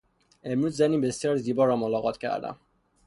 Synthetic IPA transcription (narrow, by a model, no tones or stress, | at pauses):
emɾuːzːæniːbesijɒːɾziːbɒɾɒmolɒɣɒt̪ʰcʰæ̰ɾd̪æ̰m